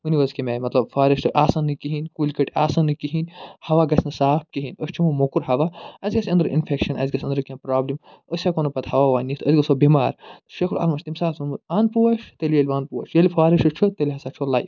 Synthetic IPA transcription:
uniʋɐzkʲimejmɐt̪lɐbfʰaːɾɐʃt̪ɨʔaːsɐnːɨkiɦinʲkulʲkɐʈʰaːsɐnːɨkiɦinʲhɐʋaːɡɐsʰʲnɨsaːp̚ʰkiɦinəsʲt͡ʃʰumɐmokuɾɦɐʋaɐzʲɡɐsʲɐ̃nd̪ɾɐʔḭnfʰekʃɐnɐ̰zʲɡɐsʲɐ̃nd̪ɾɐkʲɐ̃npɾaːblim | əsʲakonɐpɐt̪hɐʋaːʋaːnit̪ʰɐzʲɡɐsobimaːɾt̪ɨʃɐkʰuɾɐ̰lmɐʃʲt̪imsaːsɐnbɐt̪aːnpuwɐʃt̪elijɐlʲiʋaːnpuɐ̰ʃjɐlifʰaːɾɐʃɐt͡ʃʰut̪elʲiɦɐsaːt͡ʃʰolaːj

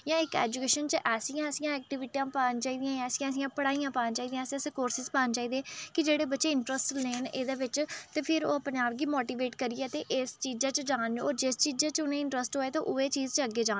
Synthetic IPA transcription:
jãːɪkɛ̰ːd͡ʒukeːʃənt͡ʃəʔɛːsijãːəsɪjãːɛːk̚ʈiʋɪʈiːãːpaːnt͡ʃaːiːd̪ɪjãːj̃ɛːsɪjãːəs̬ijãːpəɽaːijãːpaːnt͡ʃaːiːd̪ijãːseseːkoːɾsɪzpaːnt͡ʃaːiːd̪ɛːkɪd͡ʒeːɽeːbətːʃeːɪɳʈɾəsʈleːneːd̪eːʋɪt͡ʃt̪eːpʰɪɾo̰ːəpneːaːp̚ɡiːmoːʈiːʋeːʈkəɾiːɛːt̪eːʔeːst͡ʃiːd͡ʒãːt͡ʃd͡ʒaːnɔːɾd͡ʒɪst͡ʃiːd͡ʒeːt͡ʃʊnẽːɪ̃ɳʈɾəsʈɦoːeːt̪oːʔʊeːt͡ʃiːzt͡ʃəəɡːeːd͡ʒãː

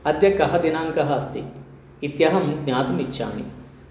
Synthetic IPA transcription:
ɐd̪jɐkɐɦɐd̪inaːŋkɐɦɐːst̪iː | t̪jɐɦɐmɡɲaːt̪umit͡ʃːa̰ːmḭ

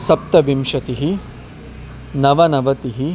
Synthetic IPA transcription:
sɐp̚t̪ɐʋimʂɐt̪iɦi | nɐʋɐnɐʋɐt̪iɦi

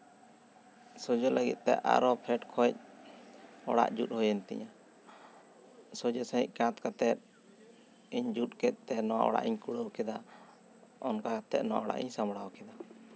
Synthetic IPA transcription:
sɔd͡ʒɔlaɡḭt̪̚t̪ɛ̰a̰ɾɔpʰɛʈkʰɔc̚ | ɔ̰ɽa̰ʔd͡ʒut̪̚hɔjənt̪ɛ̰ɲa | sɔd͡ʒɔsãɦḭc̚ˀkãt̪kat̪ɛt̪̚ | iɲd͡ʒut̪̚kɛt̪̚ˀt̪ːɛnɔwa̰ʔɔ̰ɽa̰ʔiɲkuɽəwkɛd̪a | ɔnkakat̪ɛt̪̚nɔwaʔɔɽa̰ʔḭɲsamɽawɔkɛd̪a

